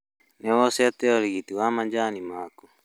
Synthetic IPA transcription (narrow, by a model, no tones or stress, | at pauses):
nɛwɔsɛat̪ɛɔɾiɣit̪iwamaɲd͡ʒanimaːku